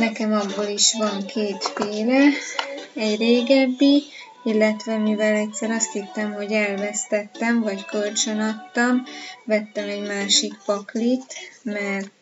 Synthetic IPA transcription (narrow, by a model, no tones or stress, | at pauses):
nɛkɛmɒbːoliʃʋɒŋkʰeːt̪feːlɛ | ɛɟreːɡɛbːi | ilːɛt̪ʋɛmivɛlɛcsɛɾɒst̪hit̪ːɛmɦo̞ɟɛlvɛst̪ɛt̪ːɛmvɒckølt͡ʃønɒt̪ːɒmvɛt̪ːɛmɛɟmaːʃikpɒklit̪mɛr